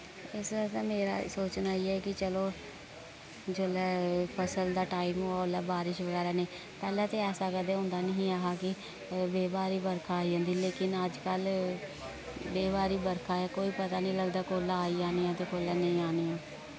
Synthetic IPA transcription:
ɪsɛt̪aːmeːɾa̰ːsoːt͡ʃnaːiːɛːkɪt͡ʃəloː | d͡ʒolɛːpʰəsəld̪aːʈaːimoːaolɛːbaːɾɪʃbəɽaːɾaːneː | pɛːlɛ̃ːt̪eːɛːsaːkəd̪eːɦʊ̃ːnd̪aːnəɦĩːaːɦaːkɪ | beːbaːɾiːbəɾkʰaːiːd͡ʒãːnd̪iːleːkɪnəd͡ʒkəl | beːbaːɾiːbəɾkʰaːɛːkoːiːpət̪aːnĩːləɡd̪aːkoːlaːaːiːaːniːãːt̪eːkoːlɛːnə̃ĩːaːniːaː

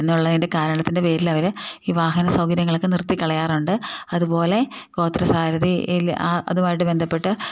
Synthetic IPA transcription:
enːuɭːɐðinde̞kaːɾɐɭɐt̪ːinde̞pe̞ːɾilɐʋɐɾiːʋaːɦɐnɐsɐwɡɐɾjɐŋːɐɭkːɨnirt̪ːikːɐɭɐjaːruɳɖɨɐðupo̞ːle̞ko̞ːt̪ːrɐsaːɾɐðiilaʔɐ̰ðumaːjiʈːɨbe̞nd̪ʱɐpːe̞ʈːɨ

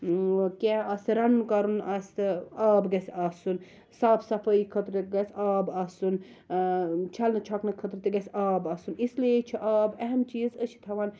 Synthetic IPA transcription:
kʲɛaːsiɾɐnːkɐɾunɐst̪aːbɡɐsaːsun | saːbsɐfɐikʰɐt̪ɾɡɐsʲaːbaːsun | t͡ʃʰɐlnɐt͡ʃʰɔknɐkʰɐt̪ɾɨt̪iɡɐsʲaːbɐːsunislijet͡ʃʰiʔaːbɐɦɐmt͡ʃiːzəʃʰi̥t̪ʰɐʋan

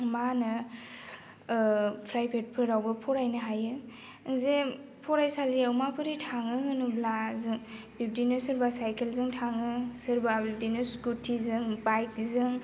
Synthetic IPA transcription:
manɯ | pʰɾajpʰet̚pʰɯɾawbɯpʰɔɾajnɯɦajɯ | ze | pʰɔɾajsaliawmapʰɯɾitʰaŋɯɦɯnublazɯŋ | bip̚dinɯsɯɾbasajkʰelzɯŋtʰaŋɯsɯɾbabidinɯskutʰːizɯŋbajkzɯŋ

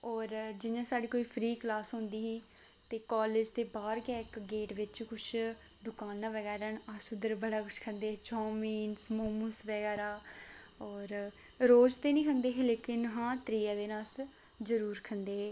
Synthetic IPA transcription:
ɔːɾd͡ʒɪnjãːsaːɖeːkoːiːpʰɾiːklaːsɦʊ̃nd̪iːɦĩː | t̪eːkaːleːd͡ʒt̪eːbaːɾkɛːɪkɡeːʈʋɪt͡ʃkʊt͡ʃʰ | d̪ʊkaːnãːʋəɡɛːɾənasʊd̪əɾbəɽaːkʊt͡ʃʰkʰənd̪eːt͡ʃɔːmiːnsmoːmũsʋəɡɛːɾaː | ɔːɾ | ɾoːd͡ʒt̪eːnĩːkʰənd̪eːɦeleːkɪnɦãːt̪ɾiːaːd̪eːnaːs | zəɾuːɾkʰənd̪eːɦː

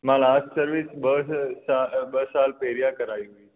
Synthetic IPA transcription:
malaːssəɾʋisbəɦsabəsalpeɾijakəɾaiɦoiː

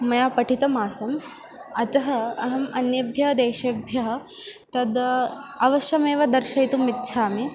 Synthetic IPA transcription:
mɐjaːpɐʈʰit̪ɐmaːsɐm | ɐt̪ɐɦɐ̆ɐɦɐmɐnjɐbʱjɐɦɐd̪eːʃɐbʱjɐɦɐ̆ | t̪ɐd̪ɐʋɐʃɐmeːʋɐd̪ɐɾʃɐjt̪umit̪ːʃʰaːmi

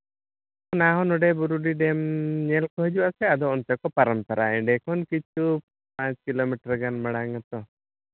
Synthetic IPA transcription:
ɔnaɦɔnɔɖɛbuɾuɖiɖɛmɲɛlkɔɦɛd͡ʒuwaʔsɛad̪ɔɔnt̪ɛkɔpaɾampaɾʔa̰ɛɖɛkɔnkit͡ʃu | pãt͡ʃkilomiʈɾɡanmɛɽaŋat̪ɔ

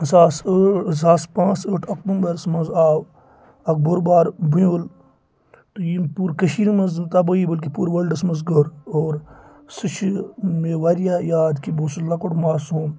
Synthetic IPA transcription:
saːsəːzaːspãːt͡səːʈʰɐk̚bumbɐɾsmɐzaːw | ɐk̚boɾbaːɾbujol | t̪ujipuːɾkɐʃiːɾmɐznt̪ɐbɐibɐlk̬ipuːɾʋəlɖɐsmɐzɡəɾoːɾ | sɨt͡ʃʰmeːʋaɾjaːjaːd̪kiboːsulɐkoʈmaːɾsoːm

